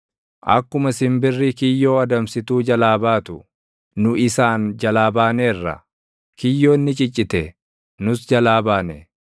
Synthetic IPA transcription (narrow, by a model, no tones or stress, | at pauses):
ʔɐ̰kːʊmɐsɪmbɪrːikɪjːo̞ːɐd̪ɐmsɪt̪uːd͡ʒɐlaːbaːt̪ʊ | nʊʔɪsaːnd͡ʒɐlaːbaːneːrːɐ̰ | kɪjːo̞ːnːɪt͡ʃʼɪt͡ʃʼːɪt̪ɛ | nʊsd͡ʒɐlaːbaːnɛ